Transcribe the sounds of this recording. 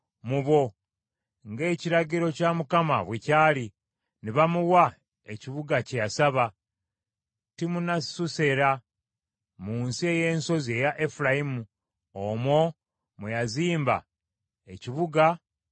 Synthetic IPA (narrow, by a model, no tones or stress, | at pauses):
muβo̞ | ŋɡe̞ːciɾaɟiɾo̞camukama̰βwecaːli | niβamuwa | e̞ciβuɡacejasaβa | timunasuse̞ɾa | muːnsie̞jeːnso̞ze̞jaʔe̞fuɾajimu | omo̞ | mejaziːmba̰ | e̞ciβuɡa